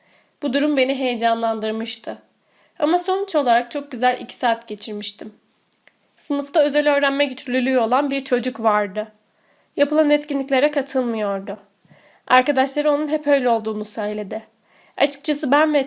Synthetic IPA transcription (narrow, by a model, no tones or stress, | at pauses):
b̥ud̪uɾumbe̞niɦe̞jed͡ʒanlˠand̪ɯɾmɯʃt̪ʰɯ | amaso̞nt͡ʃʰo̞lˠaɾak̚t͡ʃʰo̞k̚ɟyzælʲʔḭcʰi̥saːt̪ɟe̞t͡ʃʰiɾmiʃt̪ʰim | sɯnɯft̪aøzɛlʲø̞ːɾænmɛɟyt͡ʃ̪ʰɾlʲylʲyːo̞lˠanbiɾt͡ʃʰo̞d͡ʒukvaɾd̪ɯ | japʰɯlˠanɛt̪cinlʲicʲlʲe̞ɾɛkʰat̪ʰɯlˠmɯjo̞ɾd̪ʊ | aɾkad̪aʃlˠaɾɯo̞nunɦɛpʰø̞jlʲɛo̞lˠd̪uːnusø̞jlʲe̞d̪ɪ | at͡ʃʰɯ̥k̚t͡ʃʰasɯbænvɛ